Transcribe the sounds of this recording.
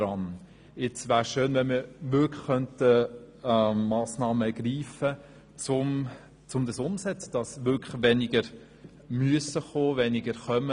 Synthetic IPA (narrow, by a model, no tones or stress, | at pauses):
ɾɑn | ɪt͡sʋæːɾʃøːnʋɛnmiɾʋʏkːœntə | ɑːsnɑːməɡ̥riːfə | t͡sʊm | t͡sʊmd̪əsʊmsɛt͡sd̥ɑsʋʏɾkʰʋɛnɪɡəɾ | myəsəχoːʋɛnɪɡəɾχœmə